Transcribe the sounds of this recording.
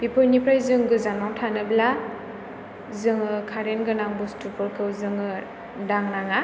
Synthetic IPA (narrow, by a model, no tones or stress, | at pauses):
bipʰojnipʰɾajzɯŋɡɯzanmawtʰanɯbla | zɯŋɯkʰaɾenɡɯnaŋbustupʰɔɾkʰɯwzɯŋɯ | daŋnaŋa